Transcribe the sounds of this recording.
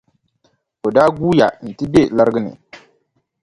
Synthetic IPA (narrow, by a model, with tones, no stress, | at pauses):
o˨daː˦ɡu˦ja˨n̩˨ti˦be˦la˦ɾɨ˦ɡɨ˦nɨ̰˨